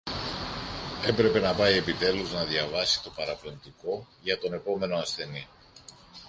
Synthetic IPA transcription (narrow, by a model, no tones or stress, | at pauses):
e̞pɾe̞pe̞nɐpɐje̞pit̪e̞luznɐðjɐvɐsi̥t̪o̞pɐɾɐplont̪iko̞ | ʝɐt̪o̞ne̞po̞me̞no̞ɐsθe̞ni